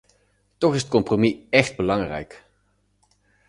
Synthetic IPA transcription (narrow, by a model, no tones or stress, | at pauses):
tɔχɪsət̚kɔmpromiɛχd̚bəlɑŋrɛ̰jk